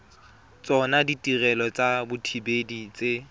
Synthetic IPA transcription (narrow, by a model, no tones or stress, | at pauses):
t͡sʼɔnaditʼirɛlɔt͡sʼabʊtʰibedit͡sʼe